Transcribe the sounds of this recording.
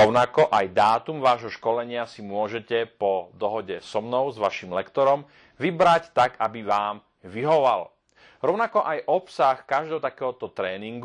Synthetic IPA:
ɔʊnakɔʔajd̪aːt̪umʋaːʒɦɔʃkɔlɛɲɪasimʊɔʒɛcɛpɔd̪ɔɦɔɟɛsɔmnɔʊzʋaʃimlɛkt̪ɔɾɔm | ʋibɾact̪aɡabiʋaːm | ʋiɦɔʋal | ɾɔʊnakɔʔajʔɔpsaxkaʒd̪ɛːɦɔt̪akɛːɦɔt̪ɔt̪ɾɛːniŋɡ

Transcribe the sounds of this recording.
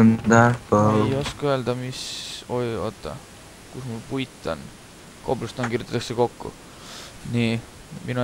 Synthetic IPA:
nd̪æpɑjoskøld̪̥ɑmiso̞jot̪ˑːɑ̰ | kusmulpujt̪ːˑɑ̰n | koblust̪ɑnkirjut̪ɑt̪ːɑkseko̞kːṵ | ni | minu

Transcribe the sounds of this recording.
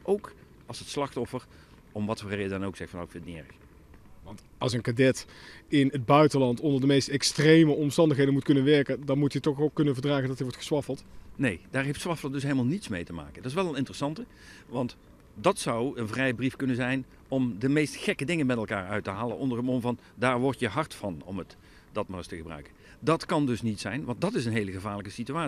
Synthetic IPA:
ʔowk | ɑlˠsətslɑxtɔfər | ɔmʋɑtɔrɛjədɑnowksɛxtfɑno̰wkfɪntniɛ̰ɹəx | ʋɑnt | ɑlˠsənkadɛtɪnəd̚bœɥtənlɑntɔndəɹdəmejstɛkstrejməɔmstɑndəxɦejdəmut̚kɵnənʋɛɹkəndɑnmutjətɔχokːɵnənvəɹdraːɣəndɑtəɹʋɔɹtχə̥sʋɑfəlˠtnejd̥aːɹɦejftsʋɑfəlˠədɵsɦeləmalˠnitsmejtəma̰ːkəndɑɪsʋɛlˠənɪntərəsɑntə | ʋɑnt | dɑtsɑwənvrɛjəbrifkɵnənzɛjn | ɔmdəmejstxɛkədɪŋənmɛtɛlˠka̰ːɹœɥtəɦaːlə̰nʔɔndərəmonvɑn | daːɹʋɔɹtjəɦɑɹtfɑnɔ̰mət | d̥ɑt̚manəstəɣəbrœ̰ɥkən | dɑtkɑndɵsnitsɛ̰jnʋɑnt̚dɑtɪs̬ənɦejləɣəvaːɹləkəsityaː

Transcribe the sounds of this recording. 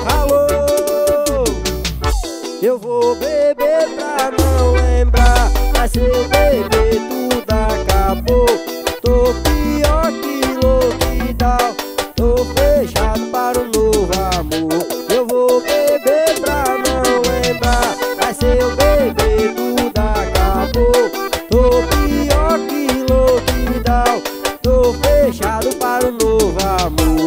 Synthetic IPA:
halo | ewvobebepɾanɐ̃w̃lẽbɾaajseewbebet̪ud̪akabot̪opiɔɾk̪ilokid̪awt̪obeʒad̪upaɾunoʋaːmujeʋobebʱet̪ɾaːnaʋɛd̪aɛsebebekud̪aːkaːbot̪opiɔːʈkilokiɾd̪aːwt̪opeʃaːlupaɾunoʋaːmu

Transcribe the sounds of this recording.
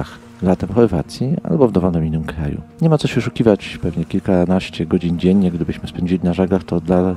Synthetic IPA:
ax | lat̪ɛmxɔɾva̰t̪sʲjia̰lbɔvd̪ɔvɔlnɛminːɘmkɾajṵɲɛmat̪sɔɕɛʂukʲivat͡ɕpɛvɲɛkʲilkanaɕt͡ɕɛɡɔd͡ʑind͡ʑeɲːɛɡ̚d̪ɘbɘɕmɘspɛɲd͡ʑilʲinaʐɛɡlaxt̪ɔd̪la

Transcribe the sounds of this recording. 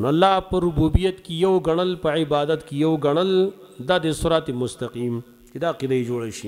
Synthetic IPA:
noalːɑpəɾʊbubijat̪kejawɡɐɳ̃əlpəʕɪbɑːd̪at̪kejawɡɐɳ̃əl | d̪ad̪esʊɾɑt̪emʊst̪aqim | t͡ʃed̪aqid̪ajed͡ʒoɽaʃi

